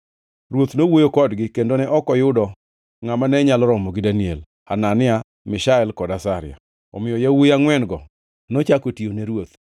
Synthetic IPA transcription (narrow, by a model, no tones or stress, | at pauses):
ɾwot̪nowojokɔdɡɪkendonɛʔɔkɔjʊdɔ | ŋamanɛɲalɔɾɔmɔɡɪdaniel | hananɪa | mɪʃaɛlkɔdasaɾɪja̰ | ɔ̰mɪjɔjawojaŋwɛnɡɔ | nɔt͡ʃakotioneɾwot̪